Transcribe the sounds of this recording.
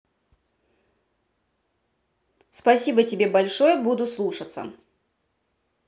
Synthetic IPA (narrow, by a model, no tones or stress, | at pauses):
spɐsʲibətʲɪbʲe̞bɐlʲʂojəbud̪ʊslˠuʂət̪sə̰